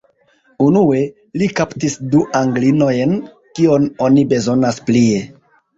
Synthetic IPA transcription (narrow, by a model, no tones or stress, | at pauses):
unue̞ | likaptisduʔaŋɡlino̞jn | kio̞no̞nibe̞zo̞nasplie̞